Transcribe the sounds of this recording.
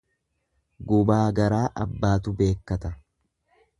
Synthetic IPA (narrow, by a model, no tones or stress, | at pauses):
ɡʊbaːɡɐɾaːʔɐbːaːt̪ʊbe̞ːkːɐt̪ɐ